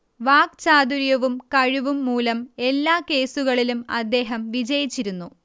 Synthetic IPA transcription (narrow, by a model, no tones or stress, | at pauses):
ʋaːk̚t͡ɕaːd̪uɾjɐʋumkɐɻiʋumːuːlɐme̞lːaːke̞ːsuɣɐɭilumɐ̰d̪ːe̞ːɦɐmʋid͡ʑɐjit͡ɕːiɾunːu